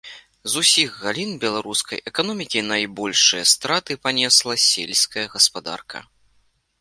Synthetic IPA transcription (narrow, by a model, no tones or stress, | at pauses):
zusʲiɣɣalʲinbʲɛlˠaɾuskɐ̰jʔɛkanɔmʲikʲinɐjbɔlʲʂɨjɐst̪ɾat̪ɨpanʲɛslˠɐsʲḛlʲsʲkɐjɐɣɐspad̪a̰rkʰɐ̰